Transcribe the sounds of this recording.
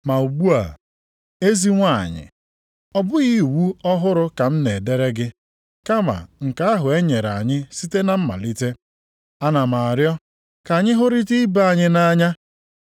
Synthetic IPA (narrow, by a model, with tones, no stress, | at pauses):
ma˨u˨ɡ͡bu˦a̰˨ | e˦zi˦ŋʷa̰˦˨ɲɪ̰˨ | ɔ˨bʊ˦ɣi˦˨wu˦ɔ˦ɦʊ˦ɾʊ˦ka˨m̩˦ne˨de˦ɾe˦ɡɪ˦ | ka˦ma̰˨ŋ̩˨ka˦a˦ɦʊ˨e˦ɲe˨ɾa˨ɲɪ˦si˦te˦na˦m̩˦ma̰˨li˦te˦ | a˦na˨ma˨a˨ɾjɔ˦ | ka˨ɲɪ˦ɦʊ˦ɾi˦ti˦ba˦a˦˨ɲɪ˦na˦ɲa˦